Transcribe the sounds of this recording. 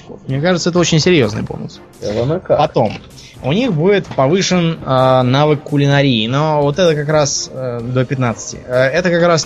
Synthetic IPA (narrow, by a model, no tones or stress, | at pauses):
mnʲekaʐɨt̪səɛt̪əot͡ɕɪnʲsʲɪɾʲjo̞znɨ̰jbo̰lˠnəs | ɛt̪ənəkapɐt̪o̞m | ʊnʲixbudʲɪt̪pɐvɨʂɨnənavɨkkːʊlʲɪnɐɾʲiːnovo̞t̪ɛt̪əkakɾasəd̪opʲɪt̪nat̪sɨ̥tʲɪ̰ɛt̪əkakɾas